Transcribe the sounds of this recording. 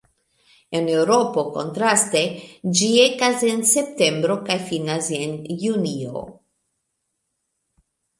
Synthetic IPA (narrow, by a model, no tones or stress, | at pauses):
ene̞wɾo̞po̞ko̞̰ntɾast̪e̞d͡ʒiekase̞nse̞p̚te̞mbɾo̞kajfinasenjunio̰